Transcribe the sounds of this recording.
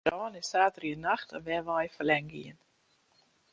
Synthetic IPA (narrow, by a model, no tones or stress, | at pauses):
ɑːnɪsaːtəɾiənaχtənvɛʋɑjfəlɛŋɡḭən